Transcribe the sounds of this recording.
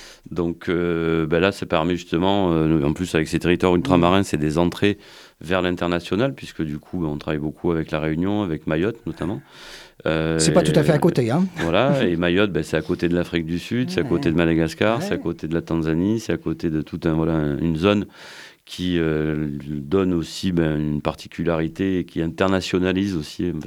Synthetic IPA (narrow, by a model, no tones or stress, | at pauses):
d̪ɔ̃kʰøbɛlasɛpɛʁmeʒyst̪əmɑ̃øɑ̰̃plysavɛkset̪eʁit̪waʁylt̪χamaʁɛ̃sɛd̪ezɑ̃t̪χe | vɛʁlɛ̃t̪ɛʁnasjɔnalpɥiskəd̪ykʰubɛɔ̃t̪χavajbokʰuavɛklaʁeynjɔ̃avɛkmajɔt̪nɔt̪amɑ̃øsɛpat̪ut̪afɛakot̪eɛ̃vwalaemajɔt̪̚bɛsɛakot̪ed̪əlafχik̚d̪ysyd̪sɛakot̪ed̪əmad̪aɡaskaʁsɛakot̪ed̪əlat̪ɑ̃zanisɛakot̪ed̪ət̪ʰut̪ɛ̃vwalaɛ̃ynzɔn | kʲʰiø | d̪ɔnosibɛ̃ynpaʁt̪ʰi̥kʲʰylaʁit̪eːkʲiɛ̃t̪ɛʁnasjɔnalizosi